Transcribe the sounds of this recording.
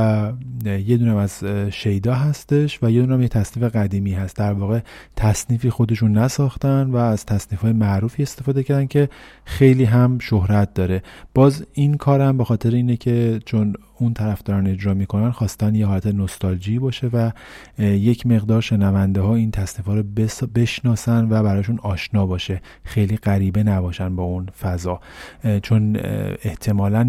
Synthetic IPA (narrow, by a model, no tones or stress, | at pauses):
je̞d̪uːnæmæz̥ʃe̞jd̪ɒːɦæst̪e̞ʃvæje̞d̪unæmject̪ʰæsniːfe̞ɣæd̪iːmiːɦæst̪̚d̪æɾvɒːɣe̞t̪ʰæsniːfiːxo̞d̪e̞ʃunːæsɒːxt̪ænd̪væːz̥t̪ʰæsniːfɒːjemæʔɾuːfie̞st̪e̞fɒːd̪ecʰæɾd̪æncʰe̞xe̞jliːɦæmʃohɾæt̪̚d̪ɒːɾe̞b̥ɒːzinkʰɒːɾhæmbe̞xɒːt̪ʰe̞ɾeiːnecʰe̞t͡ʃʰon | unt̪ʰæɾæfd̪ɒːɾɒːne̞d͡ʒɾɒːmiːkʰo̞nænxɒːst̪ænd̪jehɦɒːlæt̪ʰe̞nost̪ɒld͡ʒiːbɒːʃe̞væ | je̞cʰme̞ɣd̪ɒːɾʃe̞nævænd̪eɦɒːint̪ʰæsniːfɒːɾobe̞ʃnɒːsænvæbæɾɒːʃ̬unɒːʃnɒːbɒːʃe̞ | xe̞jliːɣæɾiːbe̞næbɒːʃænbɒːunfæzɒːt͡ʃʰo̞ne̞ht̪ʰe̞mɒːlæn